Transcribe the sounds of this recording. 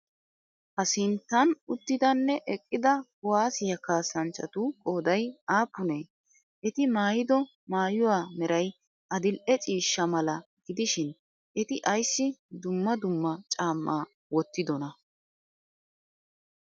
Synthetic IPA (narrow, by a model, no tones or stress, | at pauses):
hɐsɪnt̪ːɐnʊt̪ːɪd̪ɐnːɛʔɛkʼːɪd̪ɐɡʊwaːsɪjɐkaːsːɐnt͡ʃːɐ̰t̪ʊkʼo̞ːd̪ɐjaːpːʊneː | ʔɛt̪ɪmaːjɪd̪ɔ | maːjʊwaːmɛɾɐj | ʔɐd̪ɪlʔɛt͡sʼiːʃːɐmɐlɐɡ̥ɪd̪ɪʃɪn | ʔɛt̪ɪʔɐjsːɪd̪ʊmːɐd̪ʊmːɐt͡ʃʼaːmːʔaː | wɔt̪ːɪd̪ɔnɐ